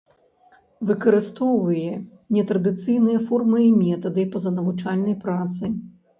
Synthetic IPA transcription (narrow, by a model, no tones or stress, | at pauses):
vɨkɐɾɨst̪ɔwvɨjɛ | nʲɛt̪ɾɐd̪ɨt̪sɨjnɨjɐfɔrmɨimʲɛt̪ɐd̪ɨpɐzɐnɐvut͡ʂalʲnɐjpɾat̪sɨj